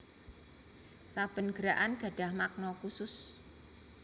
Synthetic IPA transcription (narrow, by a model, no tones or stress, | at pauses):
sab̥ə̤nɡ̥əɾaʔanɡ̥a̤ɖ̥a̤hmak̚nɔkusʊs